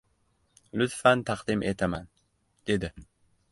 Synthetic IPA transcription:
lʊt̪fant̪ʰaqd̪ɪmʔe̞t̪ʰaman | d̪̥e̞d̪ɪ

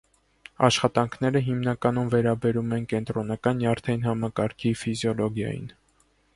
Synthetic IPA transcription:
ɑ̰ʃχɑt̪ɑŋkʰn̪ɛɾəɦimnɑkɑnumvɛɾɑbɛɾumɛnkɛnt̪ɾɔnɑkɑnjɑɾt̪ʰɛnɦɑmɑkɑɾkʰifizjɔlɔɡjɑ̰jḭn

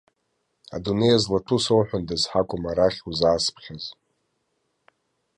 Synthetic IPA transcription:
a̰dune̞jazlatʰusowħʷᶣʊndɨzħakʷʼʊmaɾaχʲuzaːspʰχʲaz

